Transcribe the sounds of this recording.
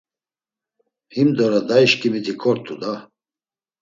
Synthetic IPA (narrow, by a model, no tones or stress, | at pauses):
himd̪ɔɾad̪aiʃkʼimit̪ʰikʰɔɾt̪ʰʼud̪a